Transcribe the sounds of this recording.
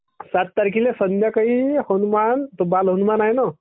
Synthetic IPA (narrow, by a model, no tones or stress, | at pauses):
sat̪̚ːaɾk̬ilesənd̪ʱjakaɦihonumant̪obalɦənumanajnɔ